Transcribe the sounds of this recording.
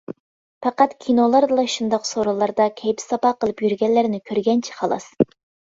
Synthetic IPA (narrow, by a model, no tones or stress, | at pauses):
pɛqæt̪kʲʰinolˠɑɾd̪ɨlˠɑʃund̪ɑqsoɾɑlˠɑɾd̪ɑkʲʰɛjbɪ̥sɑpɑqʰəlˠɨpjyɾɡʲɛlːɪɾɪnɪkʲʰøɾɡʲɛnt͡ʃʰi̥χɑlˠɑ̰s